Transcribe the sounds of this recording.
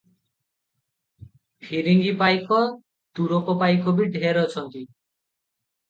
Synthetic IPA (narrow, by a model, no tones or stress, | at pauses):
pʰiɾiŋɡipajkɔ | t̪uɾopɔpajkʰɔbiɖʱeɾɔt͡ʃʰɔnt̪i